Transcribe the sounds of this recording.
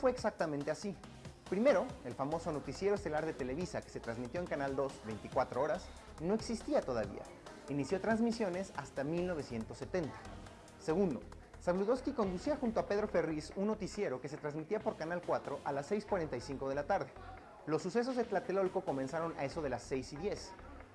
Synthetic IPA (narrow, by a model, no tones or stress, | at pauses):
fwe̞ːksak̚t̪amẽnt̪e̞asi | pɾime̞ɾo̞e̞lfamo̞so̞no̞t̪isje̞ɾoest̪e̞laɾðe̞t̪e̞le̞βisake̥se̞t̪ɾanzmit̪jo̞eŋkanald̪o̞zbe̞jnt̪ikwat̪ɾoo̞ɾas | no̞e̞ksist̪iat̪o̞ðaβḭa̰ | inisjo̞t̪ɾanzmisjo̞ne̞sa̰st̪amilno̞β̞e̞sje̞nt̪o̞sːe̞t̪e̞nt̪ḁ | se̞ɣund̪o̞̰ | saβluðo̞skiko̞nd̪usiaxunt̪oape̞ð̞ɾo̞fe̞risunːo̞t̪isje̞ɾo̞kese̞t̪ɾanzmit̪iapo̞ɾkanalkwat̪ɾo̞ʔalasːe̞jskwaɾe̞nt̪ajsiŋko̞ð̞e̞lat̪aɾðe̞ | lo̞sːuse̞s̬o̞zðet̪lat̪elo̞lko̞ko̞mensaɾo̞na̰e̞so̞ð̞e̞lasːe̞jsiðje̞s